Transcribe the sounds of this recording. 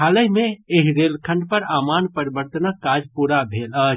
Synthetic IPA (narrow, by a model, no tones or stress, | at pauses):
aləjmeeɦiɾelkʰə̃ɳɖ̚pəɾaːmaːnpəɾibəɾt̪ənəkːad͡ʒpuɾabʱelə